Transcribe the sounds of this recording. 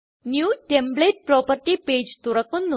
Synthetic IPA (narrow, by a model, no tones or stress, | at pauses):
njuʈembleʈ̚pɾɔpəɾʈiped͡ʒt̪uɾəkunːu